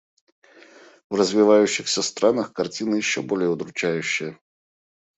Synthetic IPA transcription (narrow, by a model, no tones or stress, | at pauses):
vrəzvʲɪvajʉɕːɪxsʲəst̪ɾʔanəxkɐrt͡sʲinɨjɪɕːobolʲɪjəʊd̪ɾʊt͡ɕæjʉɕːɪjə